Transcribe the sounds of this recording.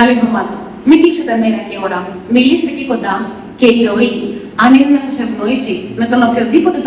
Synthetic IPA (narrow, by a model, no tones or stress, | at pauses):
ɐlevðomɐnɐ | mit̪isot̪emeɾɐceoɾɐ | milist̪eciko̞nd̪ɐ | ce̞iɾo̞i | ɐninenɐsɐse̞vno̞isimet̪onɐopçoðipo̞t̪e̞t̪